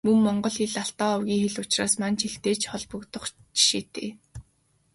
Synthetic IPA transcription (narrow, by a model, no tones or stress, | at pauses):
mɵmːɔɴɢɞ̆ɮxiɮaɬt̪ɔːɔwɣʲiːŋxeɮʊt͡ɕraːsmant͡ɕʰeɬt̪eːt͡ɕχɔɮpɞ̆kt̪ɞ̆χt͡ɕi̥ʃeːt̪ʰḛː